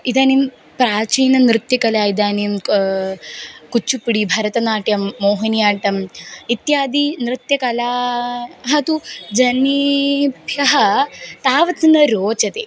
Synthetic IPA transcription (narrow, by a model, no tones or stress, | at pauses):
id̪aːnim | pɾaːt͡ʃiːnɐnɾɨt̪jɐkɐlaːid̪aːnim | kut͡ʃːupiɽibʱɐɾɐt̪ɐnaːʈjɐmːoːɦɐnjaːʈɐmit̪jaːd̪inɾɨt̪jɐkɐlaːɦɐt̪ud͡ʒɐnibʱjɐɦɐt̪aːʋɐt̪nɐɾoːt͡ʃɐt̪e